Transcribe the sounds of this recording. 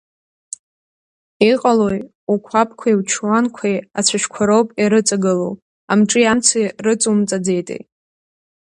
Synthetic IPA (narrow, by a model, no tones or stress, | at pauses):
iqʼaloj | ukʷʰapʰʼkʷʰaiwt͡ʃʰwankʷʰajat͡sʷʰaʃkʷʰaɾowpʼiɾɨt͡sʼaɡɨlo̰w | a̰mʈ͡ʂʼɨjamt͡sʰijrɨt͡sʼumt͡sʼad͡ze̞jtʼḛ